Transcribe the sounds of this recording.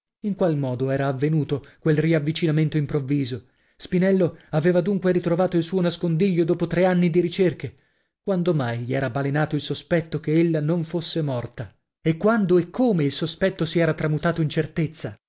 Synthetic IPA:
iŋkwalmɔːd̪oɛːɾaːvːenuːt̪okwelriavːit͡ʃinament̪oimpɾovːiːzo | spinɛlːoaveːvad̪uŋkweɾit̪ɾovaːt̪oilsuːonaskond̪iʎːod̪oːpot̪ɾeanːid̪iɾit͡ʃerke | kwand̪omajʎiɛːɾabalenaːt̪oilsospɛt̪ːokeelːanoɱfosːemɔrt̪a | ekːwand̪oekʰːoːmeilsospɛt̪ːosiɛːɾat̪ɾamut̪aːt̪oint͡ʃert̪et̪sːa

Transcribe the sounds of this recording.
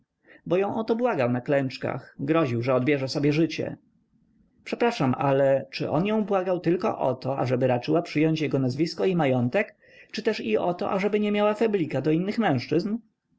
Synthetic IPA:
bɔjɔ̃w̃ʔɔt̪ɔbwaɡawnaklɛnt͡ʂka̰xɡɾɔʑiwʐɛɔd̪bʲjɛʐɛsɔbʲjɛʐɘt͡ɕɛ̰ | pʂɛpɾaʂamʔalɛt͡ʂɘ̰ʔɔ̰njɔ̃w̃bwaɡawt̪ɘlkɔ̰ʔɔ̰t̪ɔa̰ʐɛbɘɾat͡ʂɘwapʂɘjɔɲt͡ɕjɛɡɔnazvʲiskɔimajɔnt̪ɛk | t͡ʂɘt̪ɛʂiʔɔt̪ɔ̰ʔaʐɛbɘɲɛmʲjawafablʲikad̪ɔinːɘxmɛ̃w̃ʂt͡ʂɘzn

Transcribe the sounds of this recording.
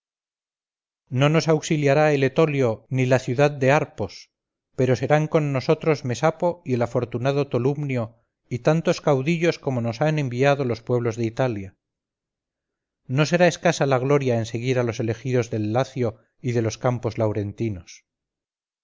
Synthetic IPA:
no̞no̞sawksiljaɾae̞le̞t̪o̞ljo̞nilaθjuðaðd̪e̞aɾpo̞s | pe̞ɾo̞se̞ɾaŋko̞nːo̞so̞t̪ɾo̞zme̞sapo̞ie̞lafo̞ɾt̪unaðo̞t̪olumnjo̞ | it̪ant̪o̞skawðiʎo̞sko̞mo̞no̞sanẽ̞mbiaðo̞lo̞spwe̞β̞lo̞zðeit̪alja | no̞se̞ɾae̞skasalaɣ̞lo̞ɾjaense̞ɣ̞iɾalo̞se̞le̞xiðo̞zðe̞lːaθjo̞ | iðe̞lo̞skampo̞zlawɾe̞nt̪inos

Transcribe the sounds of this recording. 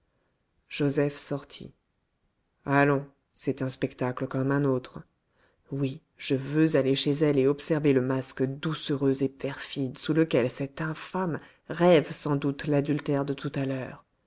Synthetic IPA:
ʒ̥ozɛfsɔʁt̪ʰḭ | alɔ̃ | sɛt̪ɛ̃spɛkt̪akləkɔmɛ̃not̪χ | wi | ʒ̥əvøzaleʃezɛleɔpsɛʁveləmaskd̪usøʁøzepɛʁfid̪suləkʲɛlsɛt̪ɛ̃fam | ʁɛvsɑ̃d̪ut̪lad̪ylt̪ɛʁd̪ət̪ʰut̪alœːʁ

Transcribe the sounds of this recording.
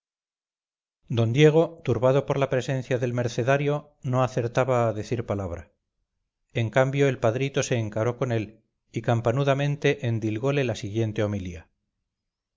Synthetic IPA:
d̪o̞nd̪je̞ɣ̞o̞t̪uɾβaðo̞po̞ɾlapɾe̞se̞n̟θjaðe̞lme̞ɾθe̞ðaɾjo̞ | no̞aθe̞ɾt̪aβaːðe̞θiɾpalaβɾa̰ | e̞ŋkambjo̞e̞lpaðɾit̪o̞se̞ːŋkaɾo̞ko̞ne̞l | ikampanuðamẽ̞nt̪e̞ʔend̪ilɣo̞le̞lasiɣje̞nt̪e̞o̞milia

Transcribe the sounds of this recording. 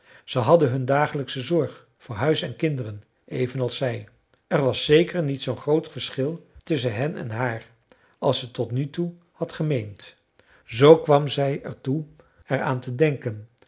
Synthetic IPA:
z̥əɦɑdəɦɵndaːχələksəzɔɹχ | fʊːɹɦœɥsɛnkɪndərən | ʔejvənɑlˠsɛj | ɛɹʋɑsːejkəɹnitsownχrowtfəɹsχɪlˠtʏs̬ənɦɛnɛ̰nɦaːɹ | ʔɑlˠsətɔtnytu | hɑtχəmejnt | zowkʋɑmzɛjɛɹtu | ɛɹaːntədɛŋkən

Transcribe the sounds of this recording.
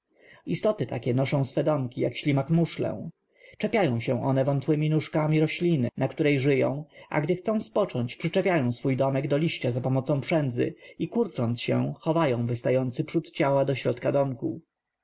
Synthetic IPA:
ist̪ɔt̪ɘt̪akʲɛnɔʂɔ̃w̃sfɛd̪ɔmkʲijakɕlʲimakmuʂlɛ̰̃ | t͡ʂɛpʲjajɔ̃w̃ɕɛ̃ʔɔnɛvɔnt̪wɘmʲinuʂkamʲiɾɔɕlʲinɘ̰nakt̪uɾɛjʐɘjɔ̰̃w̃ʔa̰ɡd̪ɘxt̪sɔ̃w̃spɔt͡ʂɔɲt͡ɕpʂɘt͡ʂɛpʲjajɔ̃w̃sfujd̪ɔmɛɡd̪ɔlʲiɕt͡ɕazapɔmɔt̪sɔ̃pʂɛnd̪zɘ̰ikuɾt͡ʂɔnt̪sɕɛ̰̃xɔvajɔ̃w̃vɘst̪ajɔnt̪sɘpʂut̪t͡ɕawad̪ɔɕɾɔt̪kad̪ɔmku

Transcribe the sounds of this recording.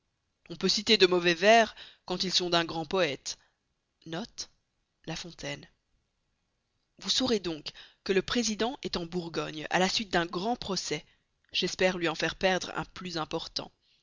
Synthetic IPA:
ɔ̃pøsit̪ed̪əmɔvɛvɛʁkɑ̃t̪ilsɔ̃d̪ɛ̃ɡʁɑ̃pɔɛt̪ | nɔt̪ | lafɔ̃t̪ɛn | vusɔʁed̪ɔ̃kkːələpχezid̪ɑ̃ʔɛt̪ɑ̃buʁɡɔɲa̰lasɥit̪̚d̪ɛ̃ɡʁɑ̃pχɔsɛ | ʒ̥ɛspɛʁlɥiɑ̃fɛʁpɛʁd̪ʁɛ̰̃plyzɛ̃pɔʁt̪ɑ̰̃

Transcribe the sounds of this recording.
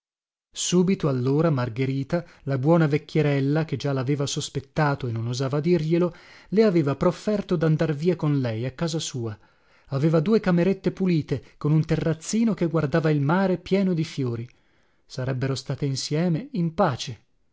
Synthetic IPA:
suːbit̪oalːoːɾamarɡeɾiːt̪a | labwɔːnavekʲːjeɾɛlːak̟ed͡ʒalaveːvasospet̪ːaːt̪oenːonozaːvad̪irʎeloleaveːvapɾofːɛrt̪od̪and̪arviːakonlɛjakːaːzasuːa | aveːvad̪uːekameɾet̪ːepuliːt̪ekonunt̪erːat̪sːiːnok̟eɡward̪aːvailmaːɾepjɛːnod̪ifjoːɾi | saɾɛbːeɾost̪aːt̪einsjɛːmeimpaːt͡ʃe

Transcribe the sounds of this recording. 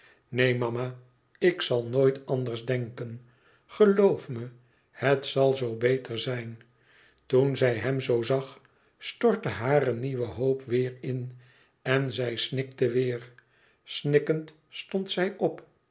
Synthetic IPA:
nejmɑma | ɪksɑlˠnoːjtɑnd̪əɹzdɛŋkən | χəlowfmə | hətsɑlˠzowbejtʰəɹzɛjn | tunzɛjɦɛmzowzɑχ | stɔɹtəɦaːrəniʋəɦowpʋɪːɹɪn | ɛnzɛjsnɪk̚təʋɪːɹ | snɪkənt | stɔnt̪sɛjʔɔp

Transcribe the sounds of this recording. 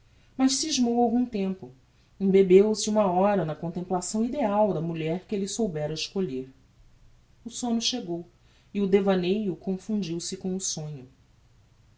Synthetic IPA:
mɐʃsiʒmowawɡũt̪ẽmpʊ | ĩbebewsɪũmɐɔɾɐnɐkõnt̪ẽmplasɐ̃w̃id̪eawd̪ɐmuʎɛɾkɪelɪsowbɛɾɐɪʃkoʎeɾ | ʊsõɲʊʃeɡow | ɪʊd̪evɐnejʊkõfũd͡ʒiwsɪkõw̃ʊsõɲʊ

